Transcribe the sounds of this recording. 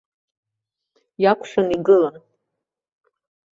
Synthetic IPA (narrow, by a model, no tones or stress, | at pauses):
jakʷʰʼʃᶣaniɡɨlan